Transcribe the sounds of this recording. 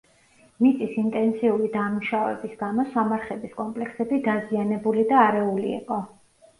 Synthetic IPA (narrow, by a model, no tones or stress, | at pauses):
nit̪sʼisint̪ʼɛnt̪sʰiuɾid̪amuʃavɛ̰bisɡamɔsamaɾχɛbiskʼɔmpʼlɛkʰsɛbid̪azianɛbulid̪aːɾɛulḭːqʼɔ